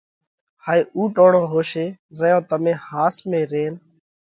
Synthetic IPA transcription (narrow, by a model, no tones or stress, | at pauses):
haːiːʔuːʈoːɳõːɦoːʃeːzəjõːt̪əmẽːhaːsmẽːɾeːn